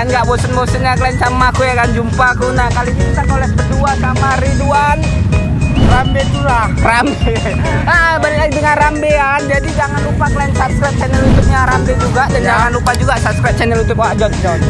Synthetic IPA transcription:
anɡaʔbosənbosət̚ɲakəlansamakujakand͡ʒumpakunahkalikit̪anolɛskəduasamaɾiduan | rambekuɾahrambe | abalilaidəŋanrambeand͡ʒadid͡ʒaŋanrupakəlansap̚skɾɛp̚t͡ʃɛnəlut̪ʊp̚ɲaɾambed͡ʒuɡaʔdand͡ʒaŋanrupad͡ʒuɡaʔsap̚skɾɛp̚t͡ʃɛnəlunt̪ʊp̚waɡaŋnan

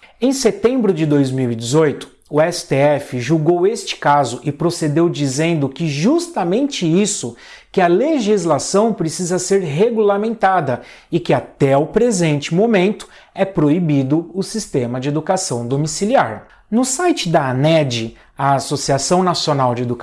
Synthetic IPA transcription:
ẽj̃set̪ẽmbɾʊd͡ʒɪd̪ojzmiwid͡ʒɪzojt̪ʊ̥ | ʊɛsɪ̥t̪eɛfɪʒuɡowest͡ʃɪ̥kazʊʔɪpɾosed̪ewd͡ʒizẽnd̪ʊkɪʒust̪ɐmẽnt͡ʃɪisʊ | kɪɐleʒizlasɐ̃w̃pɾesizɐseɾɦeɡulamẽnt̪ad̪ɐ | ɪkɪat̪ɛʊpɾezẽnt͡ʃɪmomẽnt̪ʊ̥ | ɛpɾoibid̪ʊʊsist̪ẽmɐd͡ʒɪed̪ukasɐ̃w̃d̪omisiliaɾ | nʊsajt͡ʃɪd̪ɐanɛd͡ʒɪ | ɐasosiasɐ̃w̃nasionawd͡ʒɪed̪uk

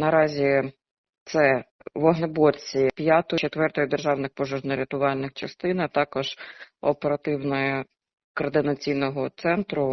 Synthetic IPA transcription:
nɐɾɑzʲi | t̪sɛ | ʋɔɦnebɔrʲt͡sʲipʲjat̪ɔt͡ʃet̪ʋɛrt̪ɔjʊd̪erʒɑwnɪxpɔʒɔʒnɔɾʲɐt̪ʊʋɑlʲnɪxt͡ʃɐst̪ɪnɐt̪ɑkɔʒ̥ɔpeɾɐt̪ɪwnɔjɛ | kɔrd̪ɪnɐt͡sʲijnɔɦɔt̪sɛnt̪ɾʊ

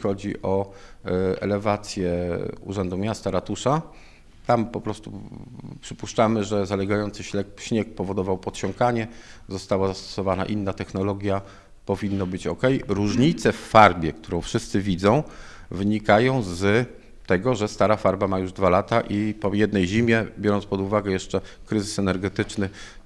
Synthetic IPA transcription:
xɔd͡ʑḭʔɔ | ɛ̰lɛvat̪sʲjɛuʐɛnd̪umʲjast̪aɾat̪uʂa | t̪ampɔpɾɔst̪upʂɘpuʂt͡ʂamɘʐɛzalɛɡajɔnt̪sɘɕlɛkɕɲɛk̚pɔvɔd̪ɔvawpɔt̪ɕɔŋkaɲɛzɔst̪awazast̪ɔ̥sɔvana̰ʔinːat̪ɛxnɔlɔɡʲja | pɔvʲinːɔbɘt͡ɕɔ̰kɛjɾuʐɲit̪sɛfːaɾbʲjɛkt̪uɾɔ̃w̃fʂɘst̪sɘvʲid̪zɔ̃w̃ | vɘɲikajɔ̃w̃z | t̪ɛɡɔʐɛst̪aɾafaɾbamajuʐd̪valat̪aʔipɔjɛd̪nɛjʑimʲjɛbʲjɔɾɔnt̪pɔd̪uvaɡɛjɛʂt͡ʂɛkɾɘzɘsɛnɛɾɡɛt̪ɘt͡ʂnɘ

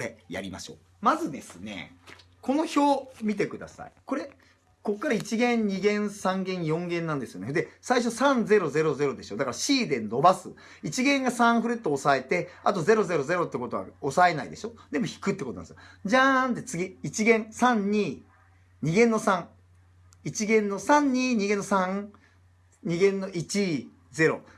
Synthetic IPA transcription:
oɾeja̰ɾʲima̰ɕo̞̰ː | mazɨd̪e̞sɨne̞̰ | ko̞no̞ço̞ːmʲit̪e̞kɯ̟d̪a̰sa̰ḭko̞ɾe̞ | ko̞kːaɾait͡ɕiɡẽ̞ɲɲiɡẽ̞ɰ̃sãŋɡẽ̞ɰ̃jõ̞ŋɡẽ̞nːãnd̪e̞sɨjo̞neɯ̟d̪e̞saiɕ̬o̞sãnd͡ze̞ɾo̞ze̞ɾo̞ze̞ɾo̞d̪e̞ɕo̞d̪akaɾaɕiːd̪e̞nno̞basɨ | it͡ɕiɡẽ̞ŋɡasãɰ̃ɸɯ̟ɾet̪ːoːsae̞t̪e̞a̰t̪o̞ze̞ɾo̞ze̞ɾo̞ze̞ɾo̞t̪ːeko̞t̪o̞a̰osae̞na̰ḭd̪e̞ɕo̞d̪e̞mo̞çi̥kɯ̟t̪ːekot̪on̰d̪̰sɡ̥ad͡ʑant̪e̞t͡sɨɡʲiit͡ɕiɡẽ̞ɴsãɲɲiː | ɲ̟iɡẽ̞nːo̞sãŋ | it͡ɕiɡẽ̞nːo̞sãɲ̟ɲiːɲ̟iɡẽ̞nːosãŋ | ɲ̟iɡẽ̞nːo̞ʔit͡ɕi | ze̞ɾo̞̰

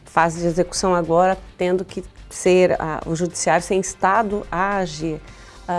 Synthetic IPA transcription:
fazɪd͡ʒɪezeku̥sɐ̃w̃aɡɔɾɐt̪ẽnd̪ʊkɪseɾa̰ʊ̰ʒud͡ʒisiaɾjʊsẽj̃ist̪ad̪ʊaːʒiɾ

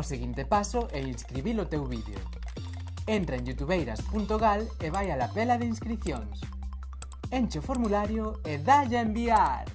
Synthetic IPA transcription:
oseɣint̪epasʊʔɛinskɾiβilot̪ewβiðḛo̰ | ent̪ɾaeŋjut̪uβejɾaspunt̪oɣaleβajalapelaðeinskɾiθjoŋs | ent͡ʃeofoɾmulaɾjoeðaʎaembiaɾ

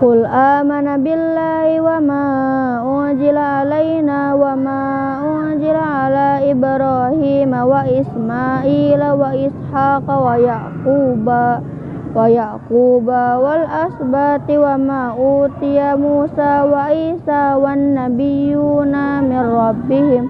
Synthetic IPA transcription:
kʊlʔaːmanabɪlːaːhiwama | ʔʊ | d͡ʒilaalajnaːwama | ʊ | zilaʕalaːɪbɾahiːmawaɪsmaʔiːlawaɪshaːqawajaʔquːba | wajaquːbawalʔasbat̪iwamaːʔuːt̪ijamuːsawaʔiːsawanːabijuːnamɪnrɑbːɪhɪm

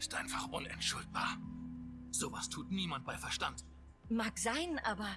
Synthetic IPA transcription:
ɪstʔaɪnfaχʔʊnɛ̰ntʃʊlt̚b̥aːɐ | z̥oːvastʰuːtniːmant̚b̥aɪfɛɐʃtant | maːkz̥aɪnʔa̰ːbɐ

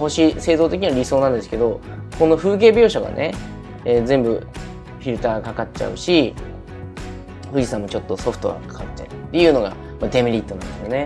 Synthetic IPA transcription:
ho̞ɕise̞ːzo̞ːt̪e̞k̬ʲiɲ̟iβaɾʲiso̞ːnãnd̪e̞sɨ̥ke̞d̪o̞ | ko̞no̞ɸɯ̟ːk̬e̞ːbʲo̞ːɕaɡa̰nʔe̞ | eːzẽ̞mbɯ̟ | çʲiɾɯ̟t̪aːɡkakatt͡ɕa̰ɯ̟ɕi | ɸɯ̟d͡ʑisãmːot͡ɕo̞t̪ːo̞so̞ɸɯ̟̥t̪o̞ɡa̰kḁkat͡ɕa̰ɯ̟t̪ːe̞jɯ̟ːno̞ɡa̰ | mad̪e̞mʲiɾʲit̪ːoãnd̪esɨjo̞ne̞

